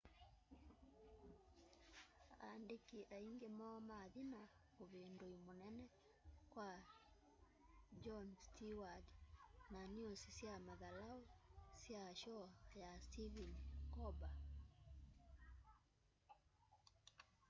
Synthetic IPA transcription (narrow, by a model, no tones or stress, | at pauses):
andekiʔaiŋɡemɔmaðina | oβendoimonɛnɛ | kwa | d͡ʒɔnstiwadnaniosisjamaðalaosjaʃɔjastivinkɔba